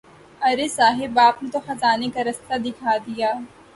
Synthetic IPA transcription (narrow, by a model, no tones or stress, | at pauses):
ɐɾesaːɦɪbaːpnet̪oxɐzaːnekaɾɐst̪ad̪ɪkʰaːd̪ijaː